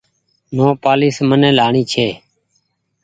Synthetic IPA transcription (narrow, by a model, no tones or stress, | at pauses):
nõːpaːliːsmənẽːlaːɳiːt͡ʃʰeː